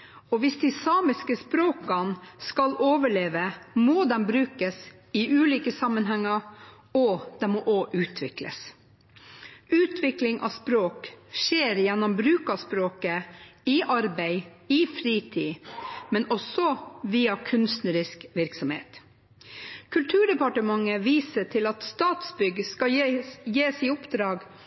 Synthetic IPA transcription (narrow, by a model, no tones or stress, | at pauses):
ɔʋɪsd̪ɪsɑːmɪskəspɾoːkɑnskɑloːʋəɭeːʋəmoːd̪ɛnbɾʉːkəs | ɪʔʉːliːkəsɑmːənɦɛŋːɑɾ | ɔd̪̥ɛmɔːʔoːʔʉːt̪ʰʋɪklə̰s | ʉːt̪ʰʋɪklɪŋʔɑ̰spɾoːkʃeːɾjɛnːɔmbɾʉːkɑspɾoːkəɪʔɑɾbæɪ | iːfɾiːt̪ʰiːmɛnɔsɔʋiːɑkʰʉnst̪nəɾɪskʋɪɾksɔmhḛːt̪ | kʰʉlt̪ʰʉːɖɛpɑʈəmɑŋːəʋiːsəʈʰɪlɑt̪st̪ɑːt̪sbʏɡəskɑjeːsɪʊpd̪ɾɑːɡ